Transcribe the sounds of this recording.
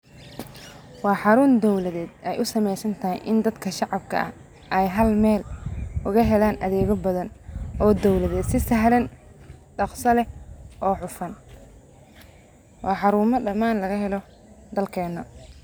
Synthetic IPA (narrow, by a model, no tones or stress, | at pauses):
wɑːħɑɾʊːnd̪ɔwlɐðɛːd̪ɛjʔʊsɐmɛjsɐnt̪ʰɐɦɪ̰jʔɪ̰nd̪ɐd̪kʰɐʃɑʕɑbkʰɐ̰ʔɐ̰ | ʔɛjɦɐlmɛːlʔʊɣɐɦɛlaːnʔɐðɛːɣɔbɐðɐnɔːd̪ɔwlɐðɛːd̪sɪsɐɦlɐnɖɑqsɐlɛʔɔːħʊfɐn | wʔɑːħɑɾuːmɐɖɐmːaːnlɐɣɐɦɛlɔ | d̪ɐlkʰɛːnːɐ